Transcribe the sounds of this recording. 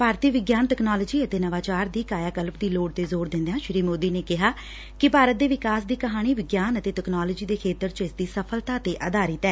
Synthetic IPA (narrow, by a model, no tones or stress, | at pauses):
paːɾt̪iːʋɪɡjaːnt̪ɛknaːləːd͡ʒiːət̪eːnəʋaːt͡ʃaːɾd̪iːkaːjaːkəlp̚d̪iːloːʈt̪eːzoːɾd̪ɪ̃nd̪ejãːʃɾiːmoːd̪iːneːkɪɦaː | kɪpaːɾət̪̚d̪eːʋɪkaːsd̪iːkəɦaːɽ̃iːʋɪɡjaːnət̪eːʈɛknaːloːd͡ʒiːd̪eːkʰeːt̪əɾt͡ʃɪsd̪iːsəpʰəlt̪aːt̪eːʔəd̪aːɾɪt̪ɛː